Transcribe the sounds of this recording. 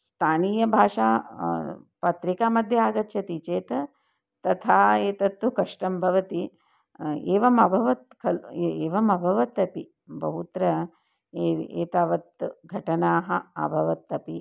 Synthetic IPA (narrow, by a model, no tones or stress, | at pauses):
st̪ʰaːniːjɐbʱaːʂaː | pɐt̪ɾikaːmɐd̪ʱjɐaːɡɐt̪ʃʰɐt̪it͡ʃeːt̪ɐ | t̪ɐt̪ʰaːeːt̪ɐt̪ːukɐʂʈɐmbʱɐʋɐt̪i | eːʋɐmɐbʱɐʋɐt̪kʰɐleːʋɐmɐbʱɐʋɐt̪ɐpi | bʱɐ̰ɦut̪ɾɐ | eḛːt̪aːʋɐt̪ɡʱɐʈɐnaːɦɐɐ̰bʱɐʋɐt̪ːɐpi